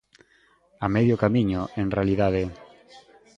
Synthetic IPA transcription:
amɛðjokamiɲoʔeŋrealiðaðe

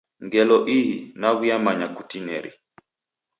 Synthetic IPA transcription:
ŋɡɛlɔʔiɦinaβuamaɲakutinɛ̰ɾḭ

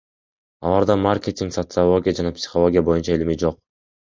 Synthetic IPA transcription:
ɑlˠɑɾd̪ɑmarkʲet̪ʲɪŋksot̪sɨalˠo̞ɡʲɪjad͡ʒɑnɑpsʲɪ̥χolˠo̞ɡʲɪjabo̞junt͡ʃɑailimid͡ʒo̞q̚

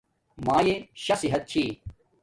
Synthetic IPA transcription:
maːjeɕɐsiɦɐt̪̚t͡ɕʰiː

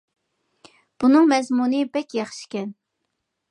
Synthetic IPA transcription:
b̥unɨŋmɛzmunɨbɛkʲjɑχʃi̥kʲɛn

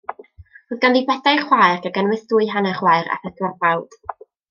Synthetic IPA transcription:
roðɡanðibɛdajχwajrɡaɡənwɨθd̥ʊɨɦanaχwajɾa̰θədwarbawd̥

